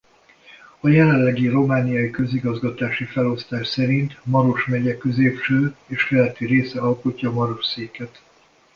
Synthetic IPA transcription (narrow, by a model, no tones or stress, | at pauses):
ɒjɛlɛlːɛɡiro̞maːnijɒikø̞ziɡɒzɡɒt̪aːʃifɛlo̞st̪aːʃsɛɾint̪mɒɾo̞ʃmɛɟɛkø̞zeːpʃøːeːʃkɛlɛt̪ːiɾeːsɛɒlkocːɒːmɒɾo̞ʃseːkɛt̪